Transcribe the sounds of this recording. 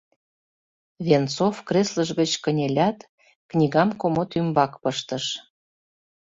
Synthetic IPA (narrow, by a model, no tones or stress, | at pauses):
βʲent͡sofkresləʒɣət͡ɕkənʲelʲɑt̪ | knʲiɣɑmkomot̪ymbɑkpəʃt̪ə̆ʃ